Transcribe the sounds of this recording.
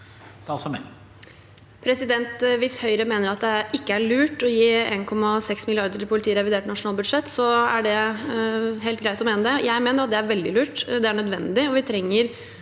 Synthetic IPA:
sɑsɔmɛ | pʰɾɛsɪd̪ɛnt̪ʋɪshœʏɾəmeːnəɾɑt̪̚d̪ɛɪkːəæɭʉːʈɔjiːeːnkʰɔmːɑsɛksmɪlɪɑɾd̪əɾɪlpʰʊlɪt̪ʰiːəɾɛʋɪd̪eːʈnɑʂʊnɑːlbʉd̪ʂɛt̪ːsɔæɖɛ | ɦɛɪlt̪ɡɾæɪt̪ɔmeːnəd̪ɛjæɪmeːnəɾɑt̪̚d̪ɛæɾʋɛld̪ɪlʉːʈd̪ɛæɳœd̪ʋɛnd̪ɪɔʋɪt̪ʰɾɛŋːəɾ

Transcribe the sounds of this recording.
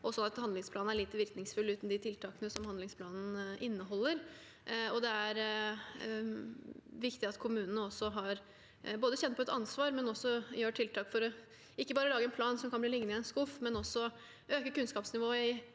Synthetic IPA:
ʔɔsɔnːɑt̪hɑnd̪lɪŋspʰlɑːn̩æɭiːt̪əʋɪɾknɪŋsfʉlːʉːt̪n̩d̪ɪt̪ʰɪlt̪ʰɑːkənəsɔmhɑnd̪ɪŋspʰlɑːnn̩ʔɪnːəɦɔlːəɾ | ɔd̪ɛæɾ | ʋɪkt̪ɪɑt̪kʰʊmʉːnənəɔsːɔɦɑɾ | boːd̪əçɛnt̪pɔɛt̪ɑnsʋɑːɾmɛnɔsːɔjøːʈʰɪlt̪ʰɑːkfɔɾɔ | ɪkːəbɑːɾəlɑːɡəɛnpʰlɑːnsɔmkʰɑnb̪iːlɪɡənɪɛnskʊfːmɛnɔsːɔ | ʔøːkəkʉnskɑːpsnɪʋoːəɪ

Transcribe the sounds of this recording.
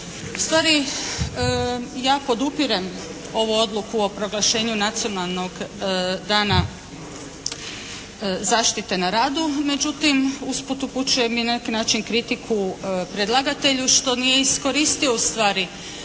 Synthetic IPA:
ust̪ʋaːɾi | jaːpo̞d̪upiɾem | o̞ʋuo̞d̪lˠukuo̞pɾo̞ɡlaʃe̞ːɲunat̪sio̞nalˠno̞ɡd̪aːna | zaːʃt̪it̪e̞naɾaːd̪ume̞d͡ʑut̪imusput̪uput͡ɕuje̞minanekinaːt͡ʃinkɾit̪ikʰupɾed̪lˠaɡat̪e̞ʎuʃt̪o̞nije̞isko̞ɾist̪io̞ust̪ʋaːɾi

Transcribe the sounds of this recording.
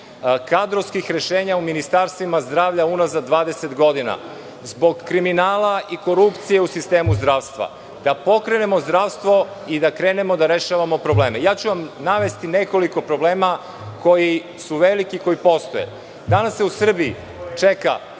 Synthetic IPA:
kad̪ɾoʋskixɾe̞ʃeːɲauminist̪aɾst̪ʋimazd̪ɾaːʋʎaunazad̪ʋaːd̪eset̪ɡo̞d̪ina̰ | zbo̞ɡkɾiminaːlaiko̞ɾupt̪sije̞usist̪eːmuzd̪ɾaːʋst̪ʋa̰ | d̪apo̞kɾene̞mo̞zd̪ɾaːʋst̪ʋo̞ | id̪akɾeːne̞mo̞d̪aɾeʃaːʋamo̞pɾo̞bleːmejaːt͡ɕuʋamnaʋest̪ineko̞liko̞pɾo̞bleːma | ko̞ji | suʋelikiko̞jipo̞st̪o̞jḛ | d̪anasːeusr̩biḭ | t͡ʂeka̰

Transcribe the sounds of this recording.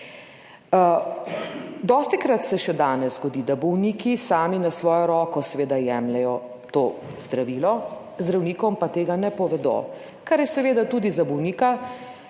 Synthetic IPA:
d̪ɔːst̪ikɾat̪sɛʃɛd̪aːnɛzzɡɔd̪iːd̪abɔwniːkisaːminasʋɔːjɔɾɔːkɔsɛʋeːd̪ajɛmlɛjɔ | t̪oːzd̪ɾaʋiːlɔ | zd̪ɾawniːkɔmpat̪eːɡanɛpɔʋɛd̪o̰ː | kaɾjɛsɛʋeːd̪at̪uːd̪izabɔwniːka

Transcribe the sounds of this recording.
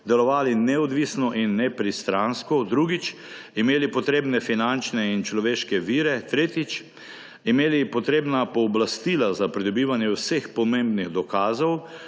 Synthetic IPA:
d̪ɛlɔʋaːlinɛɔd̪ʋisnɔʔinːɛpɾist̪ɾanskɔd̪ɾuːɡit͡ʃ | imeːlipɔt̪ɾeːbnɛfinant͡ʃnɛint͡ʃlɔʋeːʃkɛʋiːɾɛt̪ɾeːt̪it͡ʃ | imeːlipɔt̪ɾeːbnapɔːblast̪iːlazapɾid̪ɔbiːʋanjɛwsexpɔmẽmbniɣd̪ɔkaːzɔw

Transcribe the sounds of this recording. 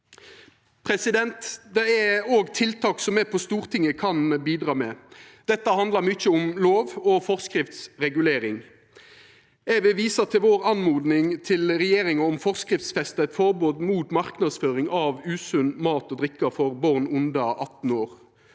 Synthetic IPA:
pʰɾɛsɪd̪ɛnt̪d̪ɛæoːɡt̪ʰɪlt̪ʰɑːksɔmɛpʰɔst̪uːʁt̪ʰɪŋːəkʰɑnbiːd̪ʁɑːmɛd̪̥ɛt̪ːəhɑnd̪ləʁmʏt͡ʃːəʊmloːʋɔfɔʁskʁɪft̪sʁɛɡʉleːɾɪŋ | æʋɪʋiːsət̪ʰɪlʋoːʁɑnmuːd̪nɪŋt̪ʰɪlʁɛjeːɾɪŋɑɔmfɔʁskʁɪft̪sfɛst̪t̪fɔʁboːd̪muːt̪mɑʁknɑd̪sføːʁɪŋɑʋʉːsʉnmɑːt̪ɔːd̪ʁɪkːəfɔʁbɔʁnʊnd̪ɑʔɑt̪n̩oːʁ

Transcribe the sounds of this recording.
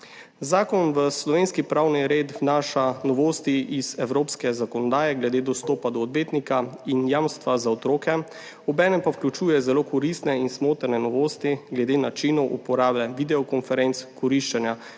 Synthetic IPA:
zaːkɔnʋəslɔʋeːnskipɾaːwniɾeːt̪naːʃanɔʋoːst̪iʔizɛwɾoːpskɛzakɔnɔd̪aːjɛɡlɛd̪eːd̪ɔst̪oːpad̪ɔːd̪beːt̪nikainjamst̪ʋazaɔt̪ɾoːkɛ | ɔbɛːnɛmpawklʲut͡ʃuːjɛzɛloːkɔɾist̪nɛinsmoːt̪ɾnɛnɔʋoːst̪iɡlɛd̪eːnat͡ʃinɔwʔupɔɾaːblɛʋid̪ɛɔkɔnfɛɾent̪skɔɾiʃt͡ʃɛnja

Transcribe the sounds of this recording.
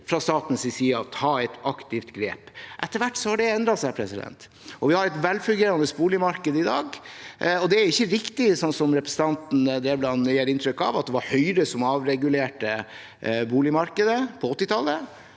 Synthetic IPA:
fɾɑst̪ɑːt̪n̩sɪsiːɑt̪ʰɑːɛt̪ɑkt̪ɪft̪ɡɾḛːpʔɛt̪ːəɾʋæʈːsɔhɑɖɛɛnd̪ɾɑsæɪpʰɾɛsɪd̪ɛ̰nt̪ | ɔʋɪhɑɾɛt̪ʋɛlfʉlɡeːɾɑnd̪əsbuːlɪmɑɾkəd̪əɪd̪ɑːɡ | ɔd̪ɛæɪçːəɾɪkt̪ɪsɔnt̪sɔmɾɛpɾɛsən̩t̪ɑnt̪n̩d̪eːblɑnjeːɾɪnt̪ʰɾʏkːɑ̰ʋɑt̪̚d̪ɛʋɑɾhœʏɾəsɔmɑːʋɾɛɡʉleːʈə | buːlɪmɑɾkəd̪əpʰɔɔt̪ːɪt̪ʰɑlːə

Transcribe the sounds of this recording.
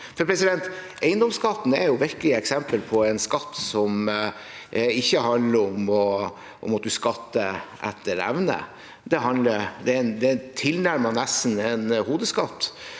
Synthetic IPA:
fɔɾpʰɾɛsɪd̪ɛnt̪ | æɪənd̪ɔmskɑt̪ːn̩ɛɾjʊʋɪɾkəlɪɛksɛmpəlpʰɔɛɪnskɑt̪ːsɔm | ɪçːəɦɑnd̪ləɾɔmɔ | ʔɔ̰mɑt̪̚d̪ʉskɑt̪ːəʔæ̰t̪ʰːəɾæ̰ʋnə̰ | d̪ɛɦɑnd̪ləɾd̪ɛnd̪ɛt̪ʰɪlnæɾmənɛstnɛnhuːd̪əskɑt̪ː

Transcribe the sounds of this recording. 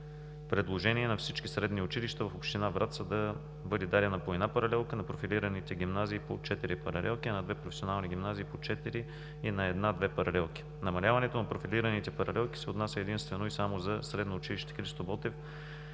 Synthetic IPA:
pɾɛd̪lˠoʒɛniɛnɐfsit͡ʃkisɾɛd̪niʊt͡ʃiliʃt̪əvɐfopʃt̪inavɾat̪səd̪ɐ | vɤd̪id̪aɾʲənɐpoɛd̪apɐɾɐlɛlˠkənɐpɾofiliɾənit̪ɛɡ̟ʲimnaziːpot͡ʃɛt̪iɾipɐɾɐ̰lɛ̰lˠkinɐd̪vɛpɾofɛsʲionalˠniɡʲimnaziːpot͡ʃɛt̪iɾi | inɐɛd̪nad̪vɛpɐɾɐlɛlˠk̟i̥ | nɐmɐlʲavɐnɛt̪onɐpɾofiliɾənit̪ɛpɐɾɐlɛlˠki̥sɛot̪nasʲəɛd̪inst̪vɛnoisamozɐsɾɛd̪noʊt͡ʃiliʃt̪ɛ̥xɾist̪obɔt̪ɛf

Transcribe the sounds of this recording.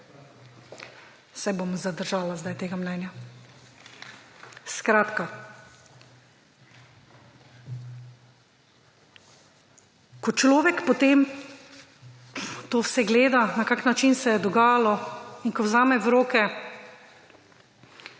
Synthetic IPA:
sɛbomzad̪əɾʒaːlazd̪ajt̪eːɡamnɛnja | skɾaːt̪ka | kɔt͡ʃlɔːʋɛkpɔt̪eːm | t̪oːwsɛɡleːd̪anakaːknat͡ʃinsɛjɛd̪ɔɡaːjalɔinkɔwzaːmɛwɾoːkɛ

